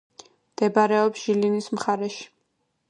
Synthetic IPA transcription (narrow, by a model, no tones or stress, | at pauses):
md̪̥ɛbaɾɛɔpsʒ̥ilinismχaɾɛʃi̥